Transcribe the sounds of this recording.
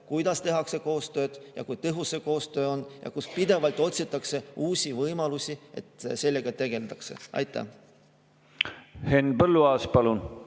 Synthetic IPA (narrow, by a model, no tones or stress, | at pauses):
kujd̪̥ɑst̪e̞ɦɑkse̞ko̞ːst̪ø̞ːd̪̥jɑ̰kujt̪ɤɦusːe̞ko̞ːst̪ø̞ːo̞njɑ̰kuspid̪e̞vɑlt̪ːˑo̞t̪sit̪ːˑɑkse̞uːsʲivɤjmɑlusʲie̞̰t̪se̞lːe̞ɡ̥ɑt̪e̞ɡ̥e̞ld̪ɑkse̞̰ɑ̰jt̪ːˑæ̰h | henbɤlːuɑːspɑlun